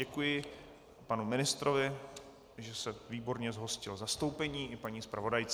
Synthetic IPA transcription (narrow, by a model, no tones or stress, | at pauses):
ɛkujɪ | panumɪnɪst̪ɾovɪ | ʒɛsɛviːbo̞ɾɲɛzɦo̞scɪlzast̪o̞wpɛɲiːʔɪpaɲiːspɾavo̞dajt͡s